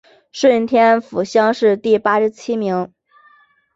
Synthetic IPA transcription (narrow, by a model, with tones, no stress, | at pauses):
ʂə˥˩˥nt̪ʰjɛ˥nfu˨˩ɕjɑ˥ŋʂɻ̩˥˧t̪i˥˩pa˥ʂɻ̩˧˥t͡ɕʰi˥mi˧˥ŋ